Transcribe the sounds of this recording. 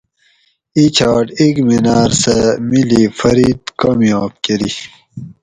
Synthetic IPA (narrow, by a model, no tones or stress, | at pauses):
it͡ɕʰaːʈikminaːɾsemilifɐɾiːt̪kaːmjaːb̚keɾi